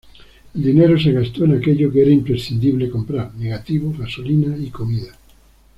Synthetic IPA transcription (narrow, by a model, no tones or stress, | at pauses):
eld̪ineɾoseɣast̪oenakeʎokeeɾaimpɾesθind̪iβlekompɾaɾneɣat̪iβ̞oɣasolinaikomiða